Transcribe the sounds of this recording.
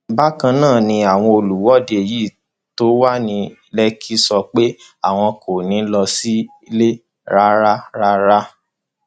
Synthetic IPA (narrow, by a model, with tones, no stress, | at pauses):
ba˦kã˧nãː˦˨nĩ˧a˨w̃ɔ̃˧o˧lu˨wɔ˨˦˨de˨jiː˦˨ | to˦wa˦nĩ˧ | lɛ˦kʰi˦sɔ˧k͡pe˦ | a˦˨w̃ɔ̃˧ko˨nĩ˨˦lɔ˧si˦i˧˦le˦ | ɾa˦ɾa˦ɾa˦ɾa˦